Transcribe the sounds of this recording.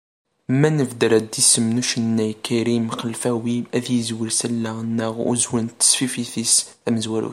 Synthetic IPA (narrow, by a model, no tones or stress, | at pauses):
mænəvd̪əɾæd̪ːisəmnuʃənːæjkːæɾimχəlfæwiæðjəzwəɾsælːæənːəʁṵzwənt̪ːə̥sfifiθisθæməzwæɾṵ